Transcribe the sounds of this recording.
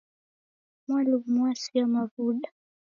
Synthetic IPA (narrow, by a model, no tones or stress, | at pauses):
mwalummuwasiamavuɗa